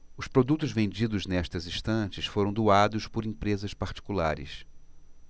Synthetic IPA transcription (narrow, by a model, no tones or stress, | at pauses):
ʊspɾod̪ut̪ʊzvẽnd͡ʒid̪ʊznɛʃt̪ɐzĩʃt̪ɐ̃t͡ʃɪsfoɾɐ̃w̃d̪uad̪ʊspʊɾĩpɾezɐspaɾt͡ʃi̥kulaɾɪ̰s